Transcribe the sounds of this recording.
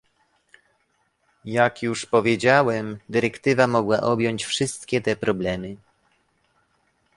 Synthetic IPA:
jakjuʂpɔvʲjed͡ʑawɛmd̪ɘɾɛkt̪ɘvamɔɡwaʔɔbʲjɔɲt͡ɕfʂɘst̪kʲɛt̪ɛpɾɔblɛmɘ

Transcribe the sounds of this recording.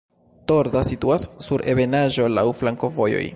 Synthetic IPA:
to̞ɾdasituasːuɾʔe̞βe̞naʒo̞lawflaŋko̞vo̞jo̞̰j

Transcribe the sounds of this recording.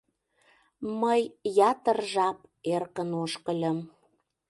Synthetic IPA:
məjjɑt̪ərʒɑp̚erkənoʃkəlʲəm

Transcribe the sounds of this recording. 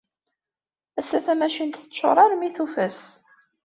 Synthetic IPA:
æsːæθæmæʃint̪θət͡sːʊ̰ɾˤɑɾmiθufəs

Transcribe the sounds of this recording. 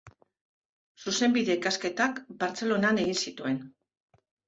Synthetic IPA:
suse̞mbiðe̞ikaske̞t̪akbaɾt͡se̞lo̞nane̞ɣ̞insit̪ue̞n

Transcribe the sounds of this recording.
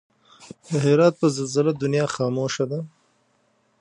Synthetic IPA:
d̪əɦɪɾɑːt̪̚pəzalzalad̪ʊnjɑːxɑːmoːʃad̪a

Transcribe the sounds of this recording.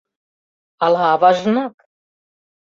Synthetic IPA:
ɑlˠɑːvɑʒnɑk

